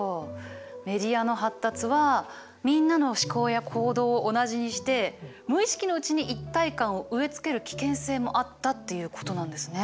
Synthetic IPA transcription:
o | me̞ɾʲiano̞ɦat̪ːat͡sɨβa | mʲĩnːano̞ɕi̥ko̞ːjakʰo̞ːd̪o̞ːʔonaʑiɲ̟iɕi̥t̪e̞ | mɯ̟iɕi̥kʲino̞ɯ̟t͡ɕiɲ̟iʔit̪ːaikãɰ̃o̞ʔɯ̟e̞t͡sɨ̥ke̞ɾɯ̟kʲi̥kẽ̞ɰ̃se̞ːmo̞ʔat̪ːat̪ːe̞jɯ̟ko̞t̪o̞nãnd̪e̞sɨne̞

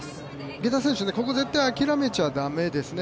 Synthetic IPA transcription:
ɡʲe̞t̪asẽɕɨneko̞ko̞ze̞t̪ːajakʲiɾame̞t͡ɕiβad̪ame̞d̪e̞sɨne

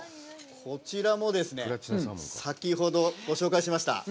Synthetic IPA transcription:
kʰo̞t͡ɕiɾamo̞d̪e̞sɨne̞sakʲiɦo̞d̪o̞ɡo̞ɕo̞ːkaiɕimaɕi̥t̪a̰

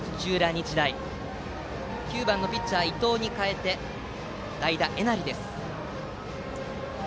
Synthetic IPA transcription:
t͡ɕɨːɾaɲ̟it͡ɕid̪ai | kʲɨːbãnːo̞pʲitːaβait̪o̞ːɲ̟ikae̞t̪e̞ | d̪aid̪aʔe̞naɾʲid̪e̞sɨ̥

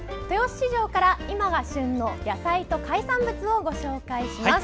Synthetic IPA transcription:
t̪e̞oɕɕiʑo̞ːkaɾaimaɡaɕɨ̃nːo̞jasait̪o̞kaisãmbɯ̟t͡sɨo̞ɡo̞ɕo̞ːkaiɕimas

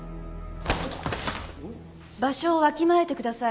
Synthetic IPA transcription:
baɕo̞ːβakʲimae̞t̪e̞kɯ̟d̪asa

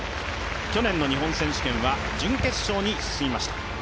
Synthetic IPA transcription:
kʲo̞nẽ̞nːo̞ɲ̟iɦõ̞ɰ̃sẽ̞ɕi̥kẽ̞ɰ̃βa | d͡ʑɨ̃ŋke̞t͡sɨ̥ɕo̞ːɲ̟isɨ̥sɨimaɕi̥t̪ḁ

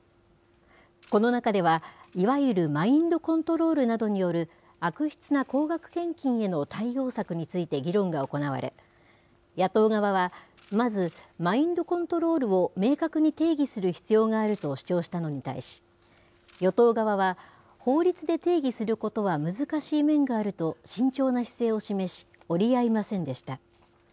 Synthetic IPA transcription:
ko̞no̞nakad̪e̞βaiβaiiɾɯ̟maĩnd̪o̞kõ̞nt̪o̞ɾo̞ːɾɯ̟nad̪o̞ɲ̟ijo̞ɾɯ̟ | akɯ̟çʲi̥t͡sɨnako̞ːɡakɯ̟̥kẽ̞ŋkʲĩɰ̃e̞no̞t̪ʰaijo̞ːsakɯ̟ɲ̟it͡sɨit̪e̞ɡʲiɾõ̞ŋɡao̞ko̞naβa̰ɾḛ | jat̪o̞ːɡaβaβa | mazɨmaĩnd̪o̞kõ̞nt̪o̞ɾo̞ːɾɯ̟o̞me̞ːkakɯ̟ɲ̟it̪e̞ːɡʲisɨɾɯ̟çi̥t͡sɨjo̞ːŋaːɾɯ̟t̪o̞ɕi̥t͡ɕo̞ːɕi̥t̪ano̞ɲ̟it̪a̰ḭɕi̥ | jo̞t̪o̞ːɡaβaβa | ho̞ːɾʲit͡sɨd̪e̞t̪e̞ːɡʲisɨɾɯ̟ko̞t̪o̞βamɯ̟zɨkaɕiːmẽ̞ŋɡaːɾɯ̟t̪o̞ɕĩɲ̟t͡ɕo̞ːnaçi̥se̞ːo̞ɕime̞ɕi̥ | o̞ɾʲiaimasẽ̞nd̪e̞ɕi̥t̪a

